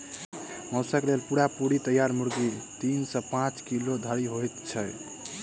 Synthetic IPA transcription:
mɔwsəklelpuɽapuɽit̪əjaɾmuɾɡit̪insə̃pãt͡ʃkilod̪ʱəɾiɦojt̪t͡ʃʰəj

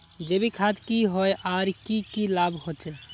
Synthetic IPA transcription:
d͡ʒebikʰad̪kiɦɔjʔaɾkikilabhot͡ʃɛ

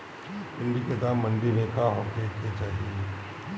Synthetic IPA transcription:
kɪnɖiked̪aːmːɐ̃ɳɖinẽkʰaɦoːkeket͡ʃaːɦie

